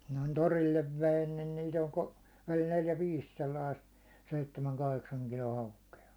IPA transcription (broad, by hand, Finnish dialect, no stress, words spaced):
noin torilːeʋ ʋein nin niːt olʲ ko olʲ neljæ ʋiːs selːɑist seitːemæŋ kɑheksɑŋ kilo hɑukeɑ